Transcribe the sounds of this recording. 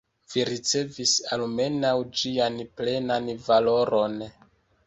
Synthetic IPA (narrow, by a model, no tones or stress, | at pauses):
viɾit͡se̞visalme̞nawd͡ʒianple̞nanvalo̞ɾo̞n